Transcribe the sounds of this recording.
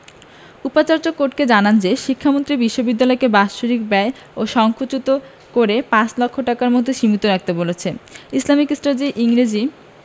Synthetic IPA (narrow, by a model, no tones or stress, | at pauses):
upat͡ɕaɾd͡ʑokːoɾʈked͡ʑanand͡ʑeʃikʰːamont̪ɾibiʃːobid̪ːalɔekebaʃuɾikbɛe | oʃɔŋkʰut͡ɕut̪o | koɾepãt͡ɕlɔkʰːoʈakaɾmod̪ʱːeʃimit̪oɾak̚t̪ebolet͡ɕʰeislamikesʈɾad͡ʑiʔiŋɾed͡ʑi